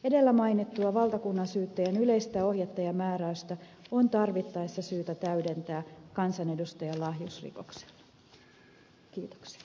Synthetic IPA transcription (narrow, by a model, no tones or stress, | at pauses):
ede̞lːæmɑjnit̪ːuɑʋɑlt̪ɑkunːɑnsyːt̪ːæjænyleist̪æohjet̪ːɑjɑmæːɾæyst̪æont̪ɑrʋit̪ːɑesːɑsyːt̪æt̪æydent̪æːkɑnsɑne̞dust̪ɑjɑlɑɦjusrḭko̰kse̥lːɑ | kiːt̪o̥ksi̥ɑ